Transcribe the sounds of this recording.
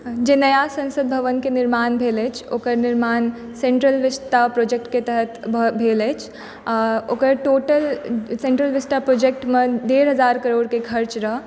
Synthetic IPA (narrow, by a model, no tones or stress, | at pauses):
d͡ʒenəjasə̃nsəd̪̚bʱəʋənkeniɾmaːnbʱelɛt͡ʃʰokəɾniɾmaːn | seɳʈɾəlʋist̪apɾod͡ʒek̚ʈket̪əɦət̪bʱbʱelɛt͡ʃʰ | okəɾʈoːʈəlsẽɳʈɾəlʋist̪apɾod͡ʒek̚ʈmed̪eɾɦəd͡ʒaɾkəɾoːɽkekʰəɾt͡ʃɾəɦ